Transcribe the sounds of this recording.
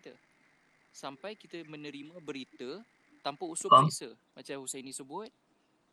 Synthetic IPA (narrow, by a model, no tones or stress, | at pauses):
t̪ə | sampajkit̪əmə̃nə̃ɾimãbəɾit̪ə | t̪ampausʊbasəmat͡ʃamhusajnĩsəbʊt̪̚